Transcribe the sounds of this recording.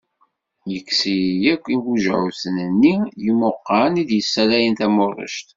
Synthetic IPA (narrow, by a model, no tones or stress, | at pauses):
jəkːsijækʷːiɡuʒʕuθənənːijimʊqːɑnid̪jəsːælæjənt̪æmʊrˤːə̰ʃt̪